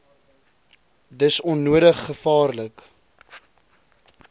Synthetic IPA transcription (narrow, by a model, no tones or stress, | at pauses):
dəsɔnːuədəχːəfɑːrlək